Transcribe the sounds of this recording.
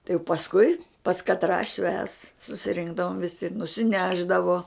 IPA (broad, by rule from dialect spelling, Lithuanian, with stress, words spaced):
tɐɪ jɛʊ pɐsˈkʊɪ pɐs kɐtˈrɑː ʃʲʋʲæːs sʊsʲɪˈrʲɪŋɡdɐʋoːm ʋʲɪˈsʲɪ nʊsʲɪˈnʲæːʒdɐʋoː